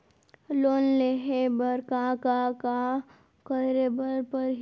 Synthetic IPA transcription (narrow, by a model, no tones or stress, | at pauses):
loːnleɦebəɾkakaka | kəɾebəɾpəɾɦ